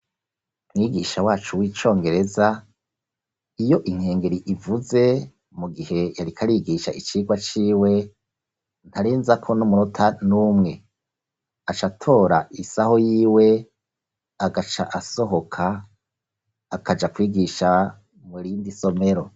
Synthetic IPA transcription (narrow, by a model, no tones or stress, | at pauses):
mŋiːɡiʃawaːt͡ʃuwiːt͡ʃo̞ːŋɡe̞ɾe̞za | ijo̞ʔiŋ̥he̞ːŋɡeɾiʔivuze̞ | muɡihe̞jaɾikʰaɾiɡiʃait͡ʃiːɡwat͡ʃiːwe̞ | n̥haɾeːnzakʰo̞numuɾotʰanumŋe̞ | at͡ʃatʰo̞ːɾaisaho̞jiːwe̞ | aɡat͡ʃa̰ʔaso̞ɦo̞kʰa | kʰad͡ʒakwiːɡiʃa | muɾiːndiso̞me̞ɾo̞